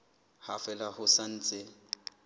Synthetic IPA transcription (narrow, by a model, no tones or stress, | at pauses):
hafɛlahʊsan̩ːt͡sʼɪ